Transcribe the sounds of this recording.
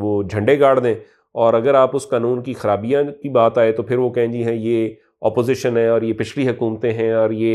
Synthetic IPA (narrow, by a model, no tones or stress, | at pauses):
ʋoːd͡ʒʱɐ̃ɳɖeɡaːɽd̪ẽː | ɔːɾɐɡəɾaːpʊskaːnũːnkixɐɾaːbijãkibaːt̪aːet̪opʰɪɾʋokɛɦẽd͡ʒiɦɛ̃jeː | ɔːpoːzɪʃənɦɛ̃ɔːɾjepɪʃʰliɦʊkuːmət̪ẽɦɛ̃ɔːɾjeː